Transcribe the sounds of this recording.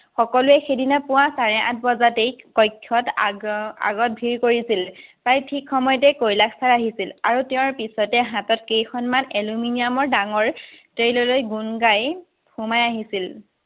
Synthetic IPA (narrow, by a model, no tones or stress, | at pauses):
xɔkɔluɛxedinapʊwãsaɹɛʔã̰t̚ʰbɔzatejkɔjkʰːɔt | a̰ɡɔt̚bʱiɹkoɹisilpajtʰikxɔmɔjɔtɛkojlakʰsaɹaɦisila̰ɹutɛ̃ɹpisɔtɛɦãtɔtkejxɔnmaneluminijamɔɹdaŋɔɹtɹejlɔlojɡunɡaj | humajaɦisil